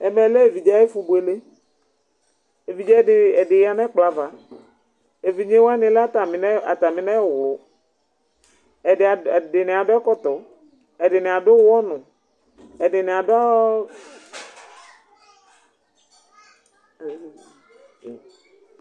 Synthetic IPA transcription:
e˨mẽ˨le˦e˨vi˨d͡ʒa˦e˦fu˨bu˨˦e˨le˦ | e˨vi˨d͡ʒa˦˨e˨ɖe˨ja˨nɛ̃˦k͡pla˨va˨ | e˨vi˨ɲẽ˦wa˦nĩ˨˦le˦a˦t̪a˨mi˨n˦a˨t̪a˨mĩ˨nɛ̃˦˨wlo˨˦ | e˨de˨nĩ˨a˨ɖɔ˦ɛ˦kɔ˦t̪ɔ˨ | e˨ɖe˨nĩ˨a˨ɖo˦ɔ˦nũ˨ | e˨ɖe˨nĩ˨a˨ɖa˦˨

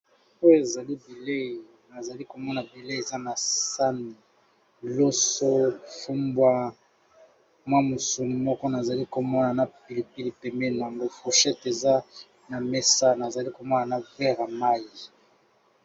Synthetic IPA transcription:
o˦e˨za˨li˦bi˨le˦˨ | na˨za˨li˦ko˨mɔ˦na˨bi˨le˦e˨za˦na˨sa˦ni˨ | lo˦so˦fu˦mbwa˦ | mwa˦mo˨su˨ni˨mɔ˦kɔ˦na˨za˨li˦ko˨mɔ˦na˨na˨pi˨li˨pi˨li˨pɛ˨mbɛ˦n˨a˨ŋɡo˦fu˨ʃɛ˦te˨za˦ | na˨mɛ˦sa˦na˨za˨li˦ko˨mɔ˦na˨na˨vɛ˦ʁa˨ma˦ji˨

